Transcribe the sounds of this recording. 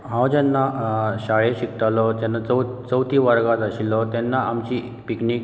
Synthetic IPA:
ɦãwd͡ʑɛnːaɕaɭeɕikʈ̪alɔd͡ʑanːat͡səwt͡səwt̪ʰiʋəɾɡat̪aɕilɔt̪ɛnːaʔamt͡ɕiː | piknik

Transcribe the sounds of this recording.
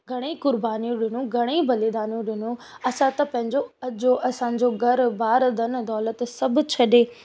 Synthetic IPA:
ɡʱɐɽ̃ekʊɾbaːnijũɗɪnũɡʱɐɽ̃ibɐlid̪aːnijũɗɪnũ | ɐsãt̪ɐpɐ̃ɦɪ̃ɲd͡ʑoɐd͡ʑoʔɐsãːd͡ʑoɡʱɐɾbaːɾd̪ɐnd̪ɔːlət̪sɐb̆ʱt͡ɕʰɐɗeː

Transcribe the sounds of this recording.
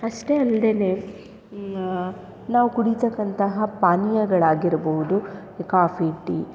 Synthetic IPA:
ɐʂʈe̞ɐld̪ene̞ | naːʋukuɽit̪ɐkːɐnt̪ɐɦɐpaːnijɐɡɐɭaːɡiɾboɦud̪u | kaːfiʈːi

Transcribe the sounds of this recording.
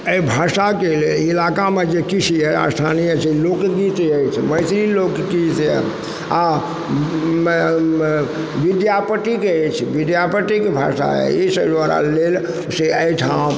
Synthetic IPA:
əibʱasakeleilakamed͡ʒekit͡ʃʰiɦɛa̰st̪ʰa̰nijət͡ʃʰɛlokɡit̪əjt͡ʃʰɛməjt̪ɾilokɡit̪ | a | ʋid̪japəʈikeət͡ʃʰɛʋid̪japəʈikebʱa̰sa̰ɦɛ̰isəbd̪ʋaɾa̰lel | seəjʈʰã

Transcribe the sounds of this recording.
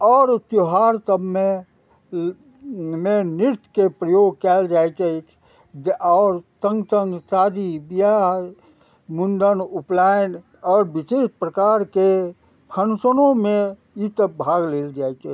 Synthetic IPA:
ɔːɾt̪joɦaɾt̪əbme | mẽniɾt̪kepɾəjoɡ̚kɛld͡ʒajt͡ʃəit͡ʃʰ | ɔːɾt̪ə̃ŋɡt̪əŋɡsad̪ibija | mund̪ənuplaɪn | ɔːɾbisespɾəkaɾke | pʰənsənõmẽ | it̪əbbʱaɡleːld͡ʒajt͡ʃə

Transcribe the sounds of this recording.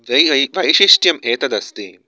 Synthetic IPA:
ʋɐjɐʋɐjʃiʂʈjɐmeːt̪ɐd̪ɐst̪iːm

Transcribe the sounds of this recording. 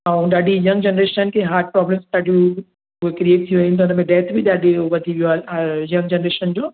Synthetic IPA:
ãũɗaːɖʱijɐŋɡd͡ʑenɾeːʃənkʰeɦaːɾʈ̚pɾɔːbɾẽsɗaːɖʱijũ | uekɾieːʈt̪ʰijũʋeĩnt̪ʰoʊnəmẽɖɛːt̪ʰbʱiɗaːɖʱeʋɐd̪ʱiʋijoaːajɐ̃ŋɡd͡ʑenɾeːʃənd͡ʑoː

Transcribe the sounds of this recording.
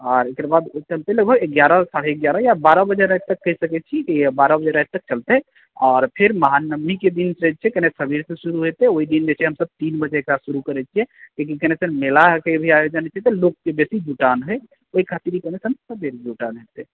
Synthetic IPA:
ɔːɾekɾabad̪oit͡ʃəlt̪eləɡ̚bʱəɡeɡjaɾəsaɽeeɡjaɾəjabaɾəbəd͡ʒeɾat̪əkːəɦisəkɛt͡ʃʰikibaɾəbəd͡ʒeɾat̪̚t̪ək̚t͡ʃəlt̪ɛ | ɔːɾpʰeɾməɦanəmːiked̪ins̚t͡ʃʰɛkənesəbiɾsẽsuɾuɦet̪eoid̪ind͡ʒet͡ʃʰɛɦəmsəb̚t̪inbəd͡ʒeekɾasuɾukəɾɛt͡ʃʰiɛkekikənesənmelakebʱiajod͡ʒənɛt͡ʃʰɛt̪ɔlokːebesid͡ʒuʈanɦo | oikʰat̪iɾikənesənsəb̪eɾd͡ʒuʈanɦet̪e

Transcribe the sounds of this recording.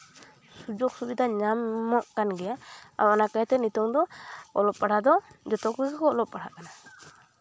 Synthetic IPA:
sud͡ʒok̚subid̪ʱaɲamːɔʔkanɡɛjaawɔnakat̪ɛnut̪ɔŋd̪ɔɔlɔp̚pːaɽ̤ad̪ɔd͡ʒɔt̪ɔkuskɔːlɔp̚pːaɽa̰ʔkana

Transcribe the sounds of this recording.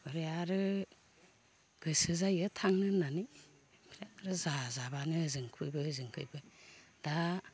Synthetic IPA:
bɯɾeaɾɯ | ɡ̥ɯsɯzajɯtʰaŋnɯnani | bɾeaɾɯzazabanɯzɯŋkʰɯjbɯzɯŋkʰɯ̰jbɯ | d̥a

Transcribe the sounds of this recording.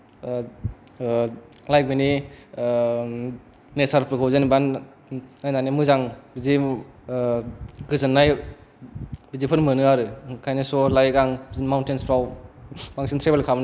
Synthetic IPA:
lajk̚bini | nesaɾpʰɾɯkʰawzeniban | najnanimɯzaŋbizi | ɡɯzɯnːaj | bizipʰɯnmɯnɯaɾɯkʰajnisɔlajɡaŋbnmawntenspʰɾawmaŋsintʰɾebelkʰabn

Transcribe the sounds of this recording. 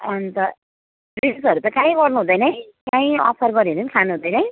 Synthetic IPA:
ʌnt̪ʌ | riɖusʌɾut̪ʌkãĩbʌrnuɦũd̪ʌjnʌj | kaĩʌ̰pʰʌrbʌɾiunʌnkʰanuɦũd̪ʌjnʌj̃

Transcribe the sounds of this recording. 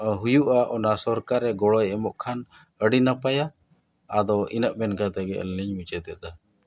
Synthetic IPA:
ɦujuʔaʔɔnasɔɾkaɾɛɡɔɽɔjɛmɔʔkʰan | əɽinapajaː | d̪ɔʔinəʔmɛnkat̪ɛɡɛə̰lniɲmut͡ʃɛd̪ɛd̪a

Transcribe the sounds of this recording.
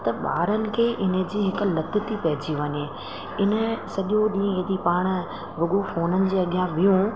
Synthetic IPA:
t̪ɐɓa̰ːɾənɪ̆kʰeːʔɪnə̆d͡ʑiːɦɪkʊ̆lɐd̪ʱʊt̪ʰipɐɦɪd͡ʑiʋɐɲe | ɪnə̆sɐʄoɗĩːed̪ipaːɽ̃ | ʋʊɠofoːnənɪ̆d͡ʑeːɐɠjãbɪjũ

